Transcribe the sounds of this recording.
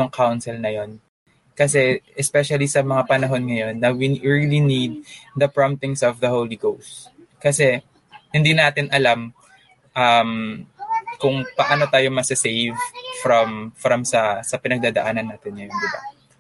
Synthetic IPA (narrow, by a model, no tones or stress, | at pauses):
oŋkʰawnsɛlnɐjo̞n | kɐs̬ɛʔɛspɛʃɐlisɐmɐŋapɐnɐɦo̞nŋɐjo̞nːɐwiɹilinid̪̚ːɐpɹamt̪ɪŋsɔvd̪ɐhowliɡowst̪ | kɐsɛ | hɪnd̪inaːt̪ɪnʔɐlam | ʔɐm | kʊŋpɐʔaːno̞t̪aːjo̞mɐsɪsejvfɾɐmfɾɐmsɐsɐpɪnɐɡ̚d̪aːd̪ɐʔaːnɐnːaːt̪ɪnŋɐjond̪ɪba̰